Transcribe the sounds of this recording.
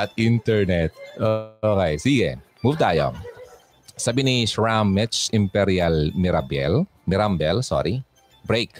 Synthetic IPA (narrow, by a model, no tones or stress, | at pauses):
ʔɐt̪int̪ɛɹnɛt̪̚okejsiɡɛ | muvt̪aːjo̰ | sɐbinisɹamɛt͡ʃɪmpɛɾialmiɾabɛ̰l | mɪɾambɛlsɔ̰ɾi | bɾek